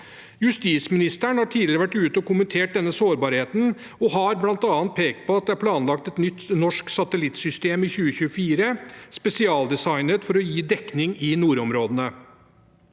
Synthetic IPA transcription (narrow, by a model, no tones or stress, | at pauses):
jʉst̪iːt̪smɪnɪst̪əɳhɑːʈʰiːd̪lɪɾəʋæʈːʉːt̪əɔkʊmənt̪ʰeːʈ̚d̪ɛnːəsoːɾbɑːɾheːt̪n̩ | ɔɦɑɾblɑnt̪ɑːənt̪̚pʰeːkt̪̚pʰɔɑt̪̚d̪ɛæɾpʰlɑːnlɑkt̪ɛt̪nʏt̪ːnɔʂksɑt̪əlɪt̪sʏst̪eːmɪçʉːəçʉːəfiːɾəspɛsɪɑːld̪ɛsɑɪnət̪fɔɾɔjiːd̪ɛknɪŋɪnuːɾɔmɾoːd̪ənə